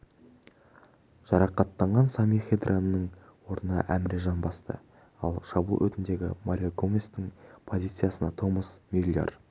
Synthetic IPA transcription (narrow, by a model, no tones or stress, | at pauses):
ʒ̥ɑɾɑqɑt̪ːɑɴʁɑnsɑmiχʲed̪rʔanəːəɴwo̞ɾənəʔæmɾeʒɑnbɑst̪ə̰ | ɑlˠʃɑbṵlˠwɵ̰t̪ɪnd̪e̞ɡʲɪ̰maɾʲjoɡomʲest̪ɪŋpʰo̞zijt̪sɨjasənɑt̪ʰoməsmʲilʲjo̰r